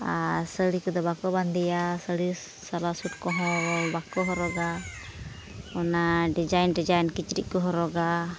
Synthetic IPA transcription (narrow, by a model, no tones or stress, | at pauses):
asəɽikɔd̪ɔbakɔband̪ijasəɽi | salasuʈ̚kɔɦɔ̃bakɔɦɔɾɔɡa | ɔnaɖid͡ʒajnɖid͡ʒajnkit͡ʃɾḭʔkɔɦɔɾɔɡa